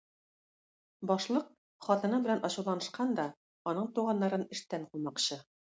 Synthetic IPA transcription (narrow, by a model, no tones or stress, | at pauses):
bɒʃlˠɤq | χɒt̪ɤ̆nɤbɘ̆lænɒɕɤ̆wlˠɑnɤ̆ʃqɑnd̪ɒ | ɒnɤɴt̪uʁɑnːɑɾɤnɘ̆ʃt̪æɴqumɑqɕɤ